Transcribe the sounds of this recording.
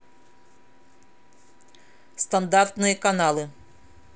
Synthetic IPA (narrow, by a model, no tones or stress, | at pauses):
st̪and̪art̪nɨjɐkanalˠɨ